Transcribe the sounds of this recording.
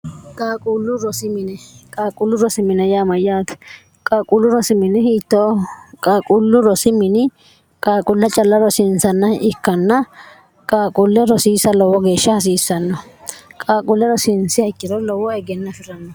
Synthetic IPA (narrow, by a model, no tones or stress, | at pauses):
kʼaːkʼulːʊɾɔsɪmɪnɛkʼaːkʼʊlːʊɾɔsɪmːɪnɐjaːmɐjːaːt̪ | kʼaːkʼʊlːʊɾɔsɪmɪnɛhiːt̪ːɔkʼaːkʼulːʊɾɔsɪmɪnɪ | kʼaːkʼʊlːɐt͡ʃʼɐlːɐɾɔsɪnsɐnːɐɪkːɐnːɐ | kʼaːkʼʊlːɛɾɔsiːsɐlɔwɔɡe̞ːʃːɐhɐs̬iːsːɐnːɔkʼaːkʼʊlːɛɾɔsɪnsɪhɐjkːɪɾɔlɔwɔɛɡɛnːɐfɪɾɐnːɔ